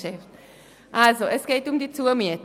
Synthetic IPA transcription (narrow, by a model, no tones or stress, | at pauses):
ɛft̪ | ʔalzoʔɛskejt̪ʊmd̪it͡suɐmjɛt̪